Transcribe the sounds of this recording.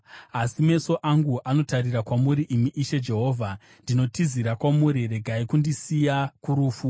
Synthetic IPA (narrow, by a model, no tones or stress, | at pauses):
asime̞so̞ʔaŋɡuʔano̞tarirakwamuɾiʔimiʔːʃe̞d͡ʒe̞ɦo̞ːvʱa | ndino̞tiziɾakwamuɾire̞ɡʱaikundisijakuɾuːfu